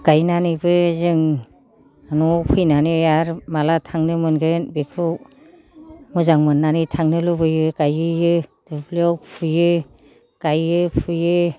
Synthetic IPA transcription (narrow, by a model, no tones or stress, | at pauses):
ɡ̥ajnanɯbɯzɯŋ | anuɔpʰɯjnaniaɾmalatʰaŋnɯmɯnɡɯnbekʰɯ | mɯzaŋmɯnːanitʰaŋnɯlubɯjɯɡajɯjɯd̥ɯbliɔwpʰujɯ | ɡ̥ajɯpʰujɯ